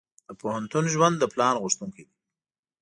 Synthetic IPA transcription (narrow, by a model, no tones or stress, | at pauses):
d̪əpohant̪unʒwand̪ːəplɑnɣʊʃt̪uŋkid̪i